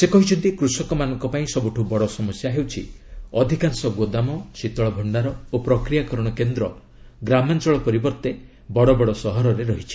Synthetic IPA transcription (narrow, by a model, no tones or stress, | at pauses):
sekɔɦit͡ʃʰɔnt̪ikɾusɔkɔmanɔŋkɔpaĩsɔbuʈʰubɔɽɔsɔmɔsjaɦewt͡ʃʰḭɔd̪ʱikansɔɡwod̪amɔsit̪ɔɭɔbʱɔɳɖaɾɔopɾɔkɾijakɔɾɔɽ̃ɔkend̪ɾɔ | ɡɾamant͡ʃɔɭɔpɔɾibɔɾt̪e | bɔɽɔbɔɽɔsɔɦɔɾɔɾeɾɔɦit͡ʃʰi̥